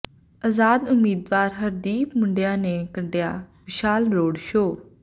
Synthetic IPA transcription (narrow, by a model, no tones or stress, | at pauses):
əzaːd̪ʊmiːd̪ʋaːɾɦəɾd̪iːpmʊɳɖejãːneːkəɳɖejaːmɪʃaːlɾoːɖʃoː